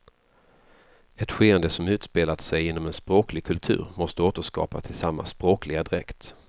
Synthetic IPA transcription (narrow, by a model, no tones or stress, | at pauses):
ɛt̪ɧeːɛnd̪əsɔmʉ̟ːt̪speːlat̪sɛjɪnːɔmɛnspɾoːklɪɡ̚kʰɵlt̪ʰʉ̟̰ːɾmɔst̪əoːt̪əʂkɑ̰ːpat̪ʰɪlsamːa̰spɾoːklɪɡad̪ɪɾɛkt̪